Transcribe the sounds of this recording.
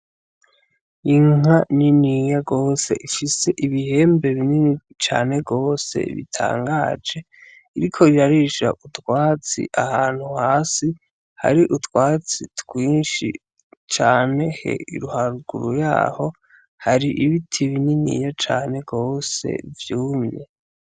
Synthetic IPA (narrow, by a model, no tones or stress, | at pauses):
iŋ̥aninijaɡo̞ːse̞ʔifise̞ʔiβihe̞ːmbe̞βinini | t͡ʃa̰ːne̞ɡo̞ːse̞̰βḭtʰa̰ːŋɡaːd͡ʒe̞ | iɾikʰo̞iɾaɾiʃa̰ʔutwaːt͡sḭʔahaːn̥huhaːsi | ha̰ɾiʔutwaːt͡sitɡwiːnʃḭ | t͡ʃaːne̞hḛḭɾuhaɾuɡuɾuja̰ːho̞ | haɾiʔiβitʰiβininḭjat͡ʃaːne̞ɡo̞ːse̞̰vjuːmɲe